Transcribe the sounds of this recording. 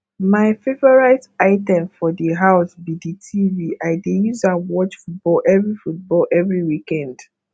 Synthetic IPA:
maɪfevɔɹaɪtaɪtɛ̃mfɔdiɦaʊsbiditʰiviʔaɪdejuzãnwɔt͡ʃfut̚bɔlʔɛvɹifut̚bɔlʔɛvɹiwikɛ̃nd

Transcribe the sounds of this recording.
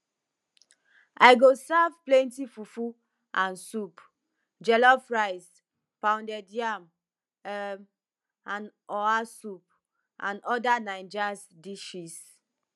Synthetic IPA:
aɪɡosavplẽntifufu | ʔãnsup | d͡ʒɛlɔfɹaɪs | pãʊ̃ndɛdiam | ɛm | ãnɔasup̚ | ʔãnɔdanãɪ̃nd͡ʒasdiʃis

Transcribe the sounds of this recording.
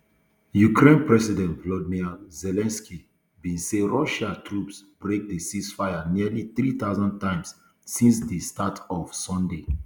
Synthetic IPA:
jukʰɹẽnpɹɛsidɛ̃ntvlɔdmizɛlɛ̃nski | bĩnseɹɔʃatʰɹupsb̥ɹek̚dəsisfaɪaniliθɹiθaʊzɔ̃n̚tãɪ̃ms | sĩnsdəstatʰɔv̥sɔ̃nde

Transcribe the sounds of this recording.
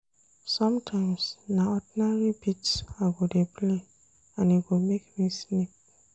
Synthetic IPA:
sɔ̃mtʰãɪ̃msnaɔdinaɹibitaɡodepʰle | ãniɡomekmĩsne

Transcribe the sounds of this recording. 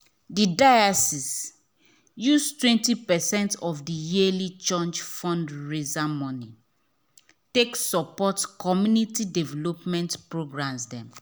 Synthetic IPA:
didajasis | justwɛ̃ntipɛsɛ̃ntɔfdijielit͡ʃɔ̃nd͡ʒfɔ̃ndɹezamɔni | teksɔpɔtkɔmjunitidɛvɛlɔpmɛ̃ntpɹoɡɹãmsdɛ̃m

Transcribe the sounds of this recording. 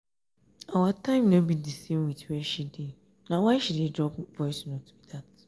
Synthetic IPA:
awatʰãɪ̃mnõbidisĩnwiθwɛʃide | nãwaɪʃidedɹɔpvɔɪsnõtʰu̥bidat

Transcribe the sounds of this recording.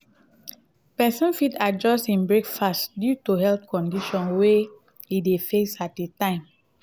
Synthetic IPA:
pɛsɔ̃nfitad͡ʒɔstĩnbɹekfastdjutuɦɛltkɔ̃ndiʃɔ̃nwe | idefesat̚detãɪ̃m

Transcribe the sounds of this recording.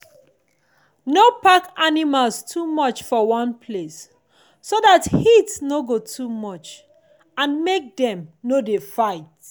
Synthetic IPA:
nopakanimalstʰumɔt͡ʃfɔwɔ̃npʰlesː | odathitsnoɡotʰumɔt͡ʃ | ãnmek̚dɛ̃mnodefaɪt̚

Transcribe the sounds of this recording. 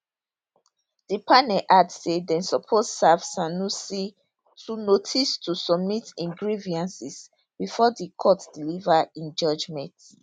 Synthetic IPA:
d̥ipanɛlʔadsedɛ̃nsɔpʰossav̥sanusi | tʰunotʰistʰusɔb̚mitĩŋɡɹiviãnsis | b̥ifɔdikʰɔtd̥ilivaĩnd͡ʒɔd͡ʒmɛ̃nt

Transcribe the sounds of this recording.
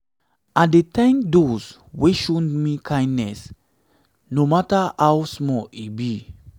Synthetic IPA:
at̚detãɪ̃mdos | weʃonmikʰãj̃ndnɛs | nomataawsmɔibi

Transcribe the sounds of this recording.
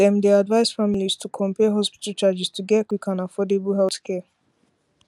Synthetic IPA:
ɛmd̪ead̪vajsfamilist̪ʰukʰɔmpeɦɔspi̥t̪ʼət͡ʃad͡ʒist̪ʰuɡɛkwikʰanafɔd̪ibuɦɛlt̪kʰɛ

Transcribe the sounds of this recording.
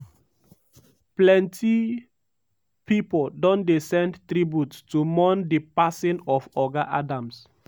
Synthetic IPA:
plɛ̃nti | pipoldɔ̃ndesɛ̃ndtɾibjuttumɔ̃ndipasĩnɔfɔɡaʔadãms

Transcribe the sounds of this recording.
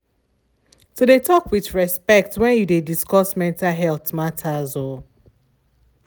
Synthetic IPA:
todetʰɔkwiθɹɛspɛk̚twɛ̃njudediskɔsmɛ̃ntaɦɛlθmatʰazo

